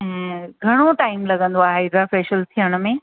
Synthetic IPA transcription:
ɡʱɐɽ̃oʈaːɪmlɐɡə̃nd̪oaːɦedɾafɛːʃəlt̪ʰijəɽ̃ʊ̆mẽ

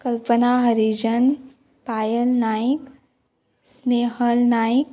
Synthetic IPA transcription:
kɐlpənaɦɐɾid͡ʒən | paːjəlnaːik | sneːɦəlnaːik

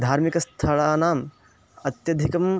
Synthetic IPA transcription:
d̪ʱaːɾmikɐst̪ʰɐɭaːnaːm | ɐt̪jɐd̪ʱikɐm

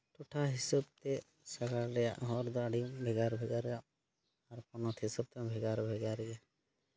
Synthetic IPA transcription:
t̪ɔʈʰaɦisɔb̚t̪ɛ | saɡaɽɾɛja̰ʔɦɔɾd̪ɔaɖimbʱɛɡaɾbʱɛɡaɾːɛjaʔ | aɾpɔnɔt̪ʰɦisɔb̚t̪ɛ̃bʱɛɡaɾbʱɛɡaɾɛja

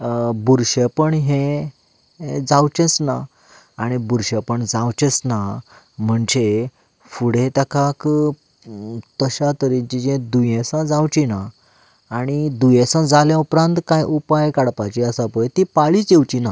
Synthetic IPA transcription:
buɾɕəpəɳɦẽ | d͡zawt͡ɕɛ̃t͡sna | aɽ̃ibuɾɕəpəɳd͡zawt͡ɕɛt͡sna | m̤əɳd͡ʑe | fuɽet̪akʰak | t̪əɕat̪əɾit͡ɕid͡ʑẽd̪ujẽsãd͡zawt͡ɕinaː | ɽ̃id̪ujɛ̃sãd͡zaljãupɾãnt̪kajʔupajkaɽpat͡ɕiəsapəjt̪ipaɭit͡sewt͡ɕina

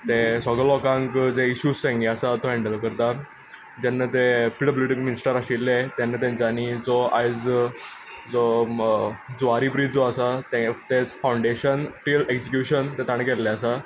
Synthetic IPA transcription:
t̪esɔɡəlɔkãŋkd͡zeiɕussẽŋɡeasat̪ɔɦɛɳɖəlkəɾt̪a | d͡ʑanːat̪epɾiɖəbluʈikminisʈəɾaɕilːet̪janːat̪jãɲt͡ɕanid͡zɔad͡z | d͡zɔ | d͡zaɾipɾid͡zɔasat̪ẽt̪ed͡zfawɳɖeɕənʈileksikjuɕənt̪et̪aɽ̃kɛlːɛasa

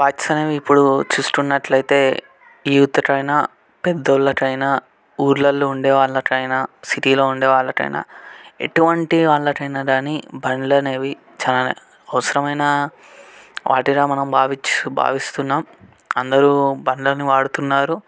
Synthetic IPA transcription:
baːt͡ʃi̥sɐne̞ːʋiːpːuɽut͡ʃuːst̪unːɐʈlɐjt̪e̞ː | iːut̪ːɐʈɐjnaː | pɛd̪ːɐlːɐkɐjna | uːɾlɐlːuuɳɖɛːʋaːɭːɐkɐjnaːsiʈiːlo̞ːuɳɖɛːʋaːɭːɐkɐ̰jna̰ːe̞̰ʈuʋɐɳʈiʋaːɭːɐkɐjnɐɖaːnibɐnilɐne̞ːʋi | t͡ʃaːlɐn̰ | ɐʋɐsɐɾɐmɐjnɐ | ʋʔa̰ːʈiɾaːmɐnɐmbaːʋit͡ʃba̰ːʋist̪unːaːm | ɐnd̪ɐɾubɐnlɐnːiʋaːɽut̪unːaːɾu

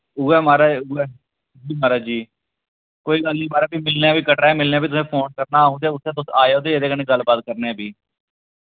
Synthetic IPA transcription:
uːɛːmaːɾaːuːɛː | d͡ʒiːmaːɾaːd͡ʒiː | koːiːɡəlnĩːmaːɾaːbiːmɪlneaːbiːkəʈaːɛmɪlneaːbiːt̪ʊsẽːpʰoːnkəɾnaːɦõnd̪eɛːʊt̪ʰːẽːt̪ʊsaːeːɦoːd̪eːed̪eːkəneːɡəlbaːt̪̚kəɾneɛːbʱiː

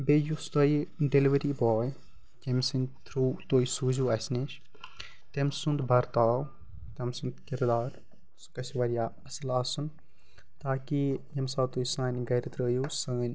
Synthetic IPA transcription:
beːjust̪ɐjiɖeliʋɐɾiːboːj | d͡ʒemʲsint̪ʰɾuːt̪oːjisuːzuɐsneʃ | t̪emsund̪bɐɾt̪aːw | t̪emsund̪kiɾd̪aːɾ | skɐsʋɐɾjaːɐslaːsun | t̪aːkijɐmsaːwt̪oːjisãːnʲɡɐjɾɐt̪ɾəːjoːsəːnʲ

